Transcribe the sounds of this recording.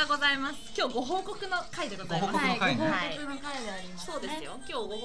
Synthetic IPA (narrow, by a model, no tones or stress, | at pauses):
aɡo̞zaimasɨ̥kʲo̞ːɡo̞ɦo̞ːko̞kɯ̟no̞kaid̪eɡozaimaaiɡoɦoːkokɯnokaiɲiaɾʲimassoːd̪e̞sɨjokʲo̞ːo